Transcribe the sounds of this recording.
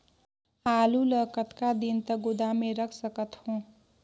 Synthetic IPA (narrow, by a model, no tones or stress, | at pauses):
alulʌkʌt̪kad̪int̪ʌɡud̪ameɾʌkʰsʌkʌt̪hõ